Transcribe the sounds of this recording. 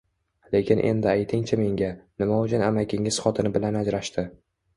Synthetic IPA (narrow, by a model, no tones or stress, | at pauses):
le̞kʲʰɪnʔe̞̰nd̪ɪajt̪ʰɪŋt͡ʃʰame̞ŋɡʲanɪmaʊt͡ʃʰanamakʲʰɪŋɪz̥χɒt̪ʰɪnɪbɪlanad͡ʒɾaʃt̪ɪ